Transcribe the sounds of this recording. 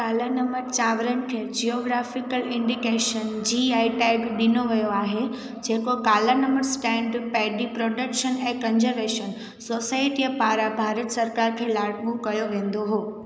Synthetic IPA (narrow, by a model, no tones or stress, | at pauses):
kaːlanɐməɾt͡ɕaːʋɾənɪ̆kʰeːd͡ʑioːɡɾaːfɪkəlɪ̃ɳɖikeːʃənd͡ʑiaːɪʈɛːɡɗɪnoʋɐjoaːɦe | d͡ʑeːkokaːlanɐ̃mbəɾsʈɛ̃ːɳɖpɛːɖipɾoːɖəkʃənɛ̃ːkɐ̃nd͡ʑəɾʋeːʃən | soːsaːɪʈiəpaːɾabʱaːɾət̪sɐɾkaːɾkʰeːlaːɽɠukɐjoʋẽːnd̪oɦoː